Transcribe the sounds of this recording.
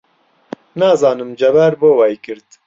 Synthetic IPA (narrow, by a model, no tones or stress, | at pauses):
naːzɑːnɨmd͡ʒɛbæɾboːwɛjkɨɾd̪